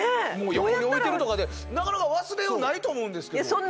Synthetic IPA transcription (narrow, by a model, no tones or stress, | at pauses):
emoːjokoɲio̞ieɾɯt̪o̞kad̪e | nakanakaβasɨɾe̞onait̪o̞ːmo̞ɯ̃nd̪e̞skeasõnː